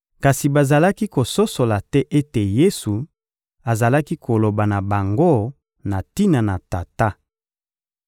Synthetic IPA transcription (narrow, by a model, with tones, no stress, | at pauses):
ka˨si˨ba˨za˨la˦ki˦ko˨so˦so˨la˨tɛ˦ʔe˦te˨je˦su˨ | a˨za˨la˦ki˦kʰo˨lo˨ba˨na˨ba˨ŋɡo˦ | na˨ti˦na˨na˨ta˨ta˦